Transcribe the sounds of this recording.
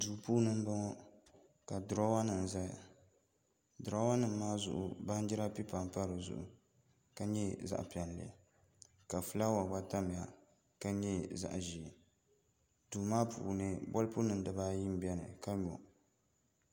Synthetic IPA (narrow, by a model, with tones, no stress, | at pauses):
duː˨puː˦nɨ˦m˦ba˦ŋɔ˦ | ka˨dʊ˨ɾɔ˦wa˦nɨ˨n˨za˦˨ | dʊ˨ɾa˦wa˦nɨ˨mː˦aː˦zʊ̰˨ʔʊ̰˨ba˦n˦d͡ʒɪ˦ɾa˦pi˦pa˨m˨pa˦ɾɨ˨zʊ̰˨ʔʊ̰˨ | ka˦ɲɛ˦za̰˦ʔpɛ˨n˨lḛ˨ | ka˨fɨ˦la˦wa˨ba˦ta˦m˨a˨ | ka˦ɲɛ˦za̰˦ʔʒi˨ | duː˨maː˦pʰṵː˨nɨ˦bɔ˦lpu˦nɨ˨n˦dɨ˨ba˦ji˦m˦bɛ˦nɨ̰˨ka˦ɲɔ̰˨